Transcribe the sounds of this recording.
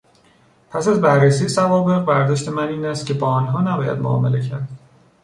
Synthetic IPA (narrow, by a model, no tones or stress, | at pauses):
pʰæsæzbæɾːesiːjesævɒːbe̞ɣbæɾd̪ɒːʃt̪ʰe̞mæniːnæst̪cʰebɒːnɦɒːnæbɒːjæ̰d̪mo̰ɒ̰ːmele̞cʰæɾd̪̥